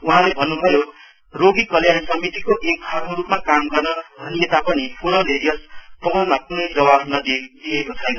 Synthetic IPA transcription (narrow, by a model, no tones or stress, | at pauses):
uɦãlebʱʌnːubʱʌjo | roɡikʌljansʌmit̪ikoʔek̚ɡʱʌrmoɾupmakamɡʌrnʌd̪ʱʌnijet̪apʌnipʰunʌleɾijʌspʌɡʌnmakunʌjd͡zʌwabʱnʌd̪d̪iekot͡sʰʌjnʌ